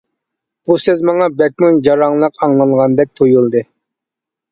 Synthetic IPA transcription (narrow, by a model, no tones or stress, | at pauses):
b̥usezmɑŋɑbɛk̚ʲmund͡ʒɑɾɑŋlˠəqʰɑŋlˠɑŋʁɑnd̪ɛk̚ʲt̪ʰojulˠd̪ɨ